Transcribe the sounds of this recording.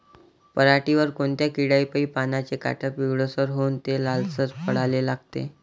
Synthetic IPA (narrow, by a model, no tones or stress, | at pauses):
pəɾaʈiʋəɾkoɳt̪jakiɽaipəiːpanat͡ɕeka̰ʈʰəpʋiʋɭosəɾɦont̪elalsət͡spəɽ̤alelaɡt̪ḛ